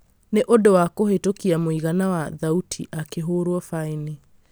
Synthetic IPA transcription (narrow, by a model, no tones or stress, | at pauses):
neʔodowakoɦetokiamoiɣanawaðautʰiʔakeɦoɾwɔfaini